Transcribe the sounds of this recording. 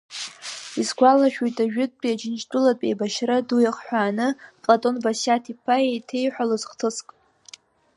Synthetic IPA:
izɡʷalaʃᶣujtʼaʒᶣʊt̚ʼbriad͡ʒɪnt͡ʃdʼʊlatʼejbaʃradujaχħʷᶣaːnɨpʼlatʼo̞nbasatʰipʰajejtʰe̞jħʷᶣalozχtʰɨskʼ

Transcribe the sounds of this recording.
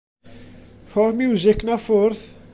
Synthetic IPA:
ħɔmjuːzɪknɐfʊɾθ

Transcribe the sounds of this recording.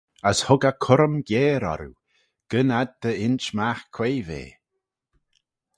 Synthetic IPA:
əshʊɡakʰʊɾəmɡjeːɾɔ̰ɾṵ | ɡ̥ənad̪̚d̪əɪnt͡ʃmaxkʰweːvḛː

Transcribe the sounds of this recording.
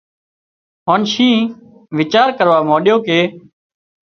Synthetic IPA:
ɦoːnʃĩː | ʋɪt͡ʃaːɾkəɾʋaːmoːɗɪjoːkeː

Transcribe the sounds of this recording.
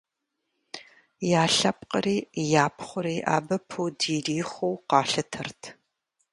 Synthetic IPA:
jaːɬɐp̚qəɾiːjaːpʰχʷʊɾiːʔa̰ːbɐpʰuwdiːriːχʷowqɑːɬɐtʰɐrtʰ

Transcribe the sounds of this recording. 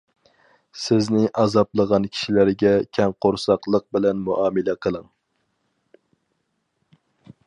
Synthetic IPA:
sɪznɪʔɑzɑplˠəʁɑnkʲʰi̥ʃilæɾɡʲɛkʲʰɛŋqʰoɾsɑqlˠəq̚bɪlɛnmuʔɑːmɨlɛqʰəlˠəŋ

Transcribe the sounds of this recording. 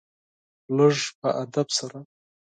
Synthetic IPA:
ləʐpəʔad̪absaɾa

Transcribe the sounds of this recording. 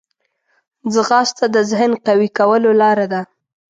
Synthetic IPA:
zəɣɑst̪ad̪əzɪhnqawikawəlolɑɾad̪a

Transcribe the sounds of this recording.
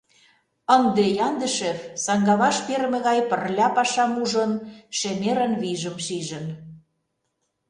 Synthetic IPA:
ənd̪ejɑnd̪ə̆ʃefsɑŋɡɑβɑʃpeɾmĕɣɑjpə̆rlʲɑpɑʃɑmuʒənʃemeɾənβiʒə̆mʃiʒə̆n

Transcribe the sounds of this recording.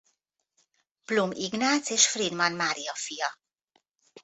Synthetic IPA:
b̥lumiɡnat͡seʃfɾid̪manmaɾiɔfiɔ

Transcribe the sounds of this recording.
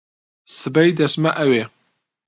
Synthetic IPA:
sɨbɐjdɐsmɐʔɐwe

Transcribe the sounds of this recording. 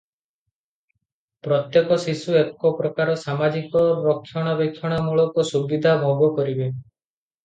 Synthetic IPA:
pɾɔt̪jekɔsisuekɔpɾɔkaɾɔsamad͡ʒikɔɾɔkʰːjɔɽ̃ɔbekʰːjɔɽ̃ɔmuɭɔkusubid̪ʱabʱɔɡɔkɔɾibe

